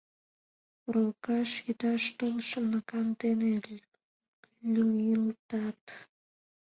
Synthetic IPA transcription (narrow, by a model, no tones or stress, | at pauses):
rokɑʃjyd̪ɑʃt̪olʃənəkɑnd̪ene | lʲuilt̪ɑt̪